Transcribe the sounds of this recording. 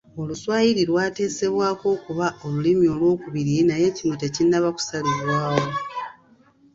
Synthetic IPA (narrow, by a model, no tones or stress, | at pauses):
o̞luswaːjiɾiɾwaːte̞ːse̞βwaːko̞ːkuβaʔolulimio̞lwo̞ːkuβiɾinaje̞cinotecinːaβaku̥saliβwaːwo̞